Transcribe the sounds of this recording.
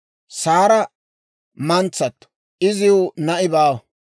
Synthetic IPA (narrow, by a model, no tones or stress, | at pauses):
saːɾɐ | mɐnt͡sːɐt̪ːʊ̥ | ʔɪzɪʊnɐʔɪbaːwɐ